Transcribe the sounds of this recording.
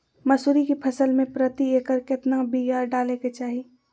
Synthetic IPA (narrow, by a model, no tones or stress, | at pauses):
mɐsuːɾikipʰɐsəlmẽpɾət̪ieːkəɾkɪt̪nabijaːɾɖaːleket͡ʃaːɦi